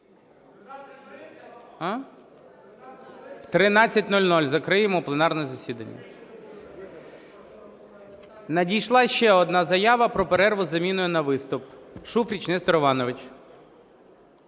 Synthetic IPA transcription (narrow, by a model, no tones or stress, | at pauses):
wt̪ɾɪnɑt͡sʲːɐtʲnɔlʲnɔlʲzɐkɾɪjɪmɔplˠenɑrnɛɛzɐsʲid̪ɐnʲːɐ̰ | nɐdʲijʃlˠɑʃt͡ʃɛɔd̪nɑzɐjɑʋɐpɾɔpeɾɛrʋʊzɐmʲinʊjʊnɐʋɪst̪ʊpʃufɾʲit͡ʃnɛst̪ɔɾɔʋɑnɔʋɪt͡ʃ